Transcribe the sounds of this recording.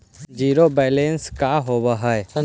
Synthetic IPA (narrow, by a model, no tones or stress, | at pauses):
d͡ʒiːɾobɛːlẽnskaɦoːbaɦa